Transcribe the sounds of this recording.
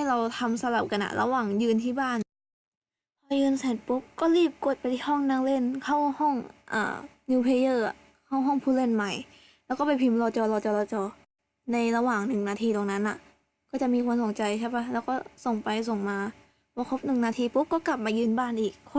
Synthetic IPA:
ha˥˩jla˧wt̪ʰa˧msa˧la˨˩p̚ka˧nʔa̰˧˩lʔa̰˧waː˨˩ŋjɯː˧nt̪ʰiː˧˥˩baː˧˥˩n | pʰɔː˧jɯː˧nsaː˨˩npo˧˦˥p̚kɔː˥˩˨liː˥˩p̚ko˨˩t̪̚pa˨jt̪ʰi˧hɔ˥˩ŋnaː˧˥ŋle˧˥˩nkʰa˥˩whɔ˥˩ŋʔa̰ː˨˧˩ | nuː˧pʰe˧jɤː˧˩a˨˩ | kʰa˧˥˩wɦɔː˧˥˩ŋpʰuː˧˨le˧˥˨nma˧˩j | lɛː˧˥wkɔː˥˩p̬a˨jpʰi˧mlɔː˧t͡ɕɔː˧lɔː˧t͡ɕɔː˧lɔː˧t͡ɕɔː˧ | na˧jla˧waː˨˩ŋnɯ˨˩ŋnaː˧t̪ʰiː˧t̪oː˨˩ŋna˧˦˥nːʔa̰˨ʔ | kɔː˥˩t͡ɕa˨˩ʔmiː˧kʰu˧mso˨˩ŋt͡ɕa˧jt͡ɕʰaː˧˩pa˧˥˩lɛː˧˩wkɔː˥˩so˨˩ŋpa˧js̬o˨˩ŋmaː˧ | bɔː˧kʰo˧˦˥p̚nɯ˨˩ŋnaː˧t̪ʰiː˧po˧˦˥p̚kɔː˥˩ka˨˩p̚maː˧jɯː˧nbaː˥˩˨nʔiː˨˩k̚ʰ

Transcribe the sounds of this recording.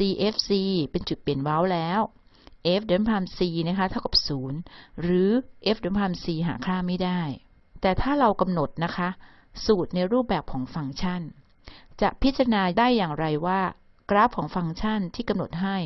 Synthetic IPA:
siː˧ʔeː˦˥f̚siː˧pe˧nt͡ɕu˨˩t̪̚pe˩˦nwa˦˥wlɛː˦˥w | ʔeː˦˥p̚dɯ˩˦npʰaː˧msiː˧na˦˥kʰa˦˥t̪ʰa˥˩wka˨˩p̚suː˩˦nɾɯː˩˦ʔeː˦˥p̚dɯ˩˦npʰaː˧msiː˧ɦa̰ː˩˦kʰlaː˥˩ŋmːa˥˩jdaː˥˩j | t̪ɛː˨˩t̪ʰaː˥˩ɾa˧wka˧mno˨˩t̪̚na˦˥kʰa˦˥ʔ | suː˨˩t̪̚na˧jɾuː˥˩p̚bɛː˨˩p̚kʰɔː˩˦ŋfa˧ŋt͡ɕʰa˥˩n | t͡ɕa̰˨˩ʔpʰi˦˥t̪t͡ɕːa˧ɾa˧naː˧daː˥˩jːaː˨˩ŋɾa˧jwaː˥˩ | kɾaː˦˥p̚kʰɔː˩˦ŋfa˧ŋt͡ɕʰa˥˩nt̪ʰiː˥˩ka˧mno˨˩t̪̚ɦa˥˩j

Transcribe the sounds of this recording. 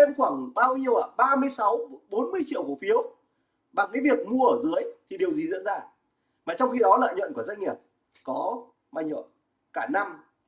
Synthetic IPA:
ə˧nxwaː˧˩ŋɓaː˧wɲi˧əwʔaː˧˩ɓaː˧mɨ˧əjsa˨˦wɓo˨˦nmɨ˧əjt͡ɕḭ˧əwku˧˩fi˨˦əw | ɓa˨˩ŋkaː˨˦jvi˨˩ək̚mu˧əʔəː˧˩zɨ˨˦əjt̪ʰi˨˩ɗi˨˩əwzi˨˩z̰nzaː˧˩ | maː˨˩t͡ɕɔ˧wŋ͡mxi˧ɗɔ˨˦la̰ː˧˨jɲwə̰˧˨nku˧˩əza˧jŋ̟ŋi˨˩əp̚ | kɔ˨˦ | ma̰ː˧˩jɲə̰˧˨n | kaː˧˩na˧m

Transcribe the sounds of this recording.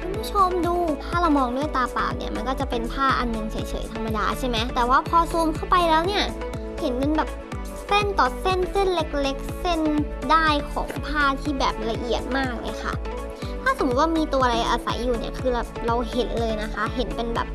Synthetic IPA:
kʰu˧nbʰu˥t͡ɕʰo˧mduː˧t̪ʰaː˥˩ɾa˧wmɔː˧ŋdu˥˩əjt̪aː˧pa̰ː˨˩nḭ˥˩ɐma˧nkɔː˥˩t͡ɕa˨˩pe˧npʰaː˥˩ʔa˧nnɤ˧ŋsa˩˦jt͡ɕʰɤ̰ː˩˦jt̪ʰa˧mːa˧da̰ː˧t͡ɕʰa˥˩jma˦˥jt̪ɛː˨˩waː˥˩pʰɔː˧suː˧mkʰa˥˩wpa˧jlɛː˦˥wni˥˩ɐ | he˩˦npe˧nbɛː˨˩p̚ | se˥˩nt̪ɔː˨˩se˥˩nse˥˩nle˦˥k̚le˦˥k̚se˥˩n | daː˥˩jkʰɔ̰ː˩˦ŋpʰaː˥˩t̪ʰiː˥˩bɛː˨˩p̚la˧ʔi˨˩ət̪̚maː˥˩k̚lɤ̰ː˧jxʰa̰˥˩ | t̪ʰaː˥˩so˨˩˦waː˥˩miː˧t̪u˧ɐ˧ɾa˧ʔaː˧sa̰˨˩˦jːuː˨˩nḭ˦˥˩ɐkʰɯː˧la˨˩p̚ɾa˧whe˩˦nlɤː˧jna˦˥xʰa˦˥ɦe˩˦npe˧nbɛ̰ː˨˩p̚

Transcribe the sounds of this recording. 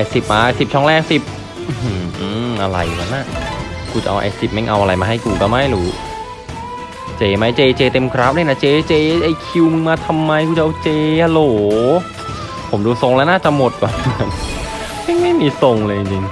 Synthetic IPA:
ʔa˧˩si˨˩p̚maː˧ʔa˧si˨˩p̚t͡ɕʰɔ˥˩ŋlɛː˥˩k̚si˨˩p̚ | ʔɯ˧ɯː˨˩ʔɯː˧˩ʔa˧ɾa̰˧jŋa˦nːaː˥˩ | kʰuː˧t͡ɕa˨˩ʔa̰˧wʔa̰˧˩si˨˩p̚ma˥˩ŋʔa˧wʔa˧ɾa˧jmaː˧ɦa˥˩kuː˧kɔ˧˩ma˦˥˩jluː˩˦ | t͡ɕeː˧ma˦˥jt͡ɕeː˧t͡ɕeː˧t̪e˧mkʰɾa˦˥p̚na˧˥˩na˧˥˩t͡ɕeː˧t͡ɕeː˧ʔa˧jkʰi˧wmɯ˧ŋmaː˧t̪ʰa˧mːa˧jkʰuː˧˩t͡ɕa˧ʔwt͡ɕeː˧ʔa˧loː˨˦ | pʰo˩˦mduː˧so˧ŋlɛː˦˥wnaː˥˩t͡ɕa˨mo˨˩t̪̚kwaː˨˩n˧˩a˦˥˩n | ma˥˩ŋma˥˩jmiː˧so˧ŋləː˧ji˧ŋt͡ɕi˧ŋ

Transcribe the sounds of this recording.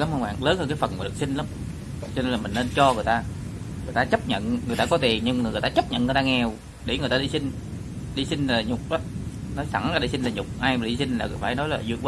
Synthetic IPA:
la˨˦mhə˧ŋ͡mɓa̰ː˧˨ŋləː˨˦nhəː˧nkaː˨˦fə˨˩nmaː˨˩ɗɨ˨˩ək̚si˧ŋ̟la˨˦m | t͡ɕɔ˧ne˧nlaː˨˩mï˨˩ŋ̟ne˧nt͡ɕɔ˧ŋɨ˨˩əjt̪aː˧ | ŋɨ˨˩jt̪aː˧t͡ɕə˦˥p̚ɲə̰˧˨nŋɨ˨˩əjt̪aː˧kɔ˨˦t̪i˨˩əmɲɨ˧mː˨˩jt̪aː˧t͡ɕə˦˥p̚ɲə̰˧˨nŋ˨˩jt̪aː˧ŋɛ˧˩w | ɗe˧˩ŋ˨˩t̪aː˧ɗi˧sï˧ŋ̟ | ɗi˧sï˧ŋ̟laː˨˩ɲʊ˨˩k͡p̚ʔɔː˨˦ | nɔ˨˦jsa̰˧˩ŋaː˧˩ɗe˧˩si˧n̟laː˨˩ɲʊ˨˩k͡p̚ʔaː˧jma˨˩˨ɗi˧si˧ŋ̟laː˨˩˨faː˧˩jnɔ˨˦jlaː˨˩zu˧ə˧˦

